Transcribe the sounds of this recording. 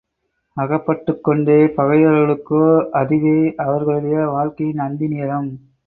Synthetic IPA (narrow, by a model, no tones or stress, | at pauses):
ɐɣɐpːɐʈːɯkːɔɳɖeːpɐɣɐɪɐɾɣɐɭɯkːoːʔɐðɪɣɐːʔɐʋɐɾɣɐɭɯɽɐjɐʋaːɭkɐjɪnɐnd̪ɪniːjɐɾɐm